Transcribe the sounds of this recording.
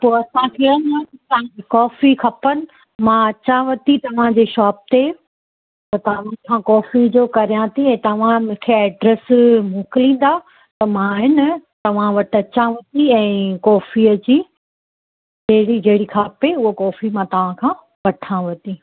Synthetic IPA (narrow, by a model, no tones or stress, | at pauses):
poːɐsãkʰeə̃nãɐt̪ɐãkɔːfikʰɐpənɪ̆ | mãɐt͡ɕãʋɐt̪it̪ɐʋ̤ãd͡ʑeːʃɔːp̚t̪e | ɐt̪ɐʋ̤̃nkʰãːkɔːfid͡ʑoːkɐɾijãt̪ʰiɛ̃ːt̪ɐʋ̤ãmʊ̃kʰeɛːɖɾɛsmũːkɪlĩːn̆d̪a | t̪ɐmãɦɪnt̪ɐʋ̤ãʋɐʈʰɐt͡ɕãʋɐt̪iɛ̃ːkɔːfiəd͡ʑiː | d͡ʑɐɦɪɽid͡ʑɐɦɪɽikʰaːpeʊɦokɔːfimãt̪ɐʋ̤ãkʰãː | ʋɐʈʰãʋɐt̪i